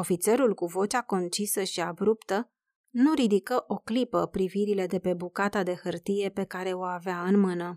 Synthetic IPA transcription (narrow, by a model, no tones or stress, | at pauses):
o̞fit̪se̞ɾulkuvo̞t͡ʃako̞nt͡ʃisəʃiabɾupt̪ə | nuɾid̪ikəʔo̞klipəpɾiviɾile̞d̪e̞pe̞bukat̪ad̪e̞xɨrt̪ije̞pe̞kaɾe̞o̞aveaɨnmɨnə